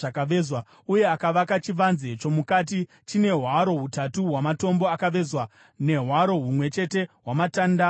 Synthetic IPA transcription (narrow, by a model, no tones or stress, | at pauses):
akaʋezwa | uje̞akaʋakat͡ʃiʋanze̞t͡ʃo̞mukat̬i | t͡ʃine̞ɦwaɾo̞ɦutatuɦwamato̞mbo̞akaʋe̞zwa | ne̞ɦwaɾo̞ɦumwe̞t͡ʃe̞te̞ɦwamataːnda